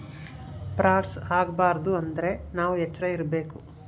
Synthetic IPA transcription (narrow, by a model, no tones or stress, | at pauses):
pɾaːʈsaːɡɐbaːɾɐd̪uɐnd̪ɐɾe̞naːʋuɛt͡ʃːɐɾɐiɾɐbe̞ːku